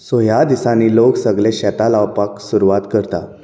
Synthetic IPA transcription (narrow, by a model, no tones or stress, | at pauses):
sojad̪isaniːloksəɡlẽɕɛt̪alawpaksuɾuʋat̪kəɾt̪a̰